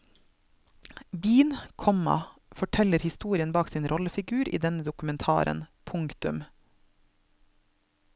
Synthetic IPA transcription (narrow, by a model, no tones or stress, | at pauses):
biːnkʰɔmɑ̰fɔʈʰɛləɾhɪst̪uːɾɪənbɑːksiːnɾʔɔləfɪɡʉːɾʔḭːd̪ɛnəd̪ʊkʉmɛnt̪ʰɑ̰ːɾʔə̰npʰʊŋkt̪ʉm